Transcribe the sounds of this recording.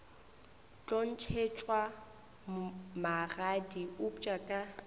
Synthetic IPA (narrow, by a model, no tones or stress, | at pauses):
t͡ɬʼon̩t͡ʃʰet͡ʃʼwa | maɣadiʊpt͡ʃʼakʼa